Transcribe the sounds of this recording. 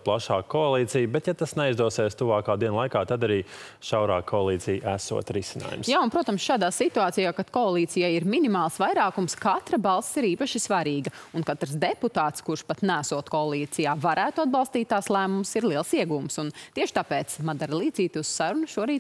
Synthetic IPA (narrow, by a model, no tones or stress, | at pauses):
plˠaʃaːkɔalˠiːt̪sijbɛt̪jat̪asnɛizd̪uɔseːst̪uvaːkaːd̪iɛnlˠajkaːt̪ad̪aɾiːʃawɾaːkʰːɔalˠiːt̪sijʔæsṵɔt̪ɾisina̰ːjṵmsjaːʊnpɾuɔt̪amsʃaːd̪aːsit̪uaːt̪ijaːkad̪̥kɔːlˠiːt̪sijajiɾminimaːlˠsʋajɾaːkumskat̪ɾɐbalˠssiɾiːpɐʃisʋaɾiːɡɐunkat̪ɾsd̪eput̪aːt̪skuɾʃpat̪nææsuɔt̪kɔalˠiːt̪sijaːvaɾæːt̪uad̪̚bɑlˠst̪iːt̪̚ːaːslˠæːmumsiɾlˠiɛlˠsiɛɡuːmsunt̪iɛʃɪ̥t̪apɛːt̪smad̪aɾlˠiːd̪ziːt̪ussaɾunuʃuɔɾiːt̪